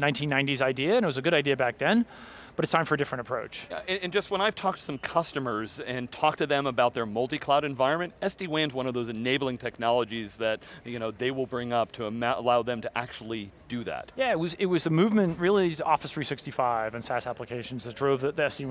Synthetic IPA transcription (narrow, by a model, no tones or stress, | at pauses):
nãɪ̃ntʰĩnːãɪ̃ntizaɪdiɨɨ̃nɨt̚wʌzɨɡʊɾaɪdiɨbæk̚ðɨ̃n | b̥ʌɾɨtstʰãɪ̃ɱfə˞ɨdɪfɹɨ̃ntəpʰɹ̥oʊt͡ʃɨ̃nɨ̃nd͡ʒʌst̚wə̃ñaɪv̥tʰɔk̚tʰɨ̥sʌ̃mkʰʌstɨmə˞zɨ̃ntʰɔk̚tʰɨðɨ̃məbaʊt̪̚ðə˞mʌlˠtikʰl̥aʊɾɨ̃ɱvaɪɹɨ̃nmɨ̃ntɛsd̥iwæ̃nzwʌ̃ñʌvðoʊzɨneɪbl̩ˠɪ̃ŋtʰɛk̚nɑlˠəd͡ʒizðɨt̚jɨñoʊðeɪwɪlˠbɹɪ̃ŋʌp̚tʰəːaəlaʊðɨ̃mtʰɨʔæk̚t͡ʃul̩ˠid̥ɨðæ̰t̚jæɪt̚wʌzɪt̚wʌzðɨmʉvmɨ̃nʔɹɪlˠiɾɔfɨsɹisɪkstifaɪvɨ̃nsæsæpləkʰeɪʃn̩zðɨt̚d̥ɹoʊvðɨðiɛsd̥i